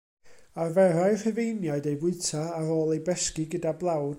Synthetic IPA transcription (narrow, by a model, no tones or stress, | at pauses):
arvɛɾajr̥ɨvejnjaɨdejvʊɨtʰaːɾoːlˠejbɛskiɡədablˠaw